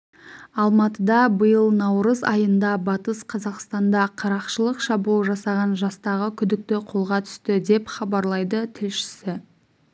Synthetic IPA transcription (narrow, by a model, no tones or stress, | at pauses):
ɑlˠmɑt̪əd̪ɑbəjəlˠnɑwɾəzɑjənd̪ɑbɑt̪əsqʰɑzɑqst̪ɑnd̪ɑqʰɑɾɑqʃəlˠəqʃɑbulˠʒɑsɑʁɑnʒɑst̪ɑʁəkʲʰʏd̪ɪk̚t̪ɪqʰo̞lˠʁɑt̪ʰʏ̥st̪ɪd̪e̞pχɑbɑɾlˠɑjd̪ət̪ʰɪlʃɪ̥sɪ